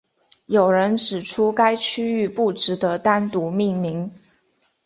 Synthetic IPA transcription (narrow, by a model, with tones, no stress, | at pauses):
jo˨˩ʊɻə˧˥nʈ͡ʂɻ̩˨˩ʈ͡ʂʰu˥ka˥ɪt͡ɕʰy˥y˥˧pu˥˩ʈ͡ʂɻ̩˧˥d̪ə˦t̪a˥nt̪u˧˥mi˥˩ŋmi˧˥ŋ